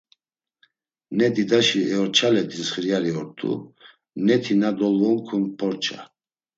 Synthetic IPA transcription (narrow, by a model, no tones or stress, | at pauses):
nɛd̪id̪aʃiɛɔɾt͡ʃʰalɛd̪insχɾijaɾiɔɾt̪ʰʼṵ | nɛt̪ʰinad̪ɔlɔmkʰunpʰɔɾt͡ʃʰa̰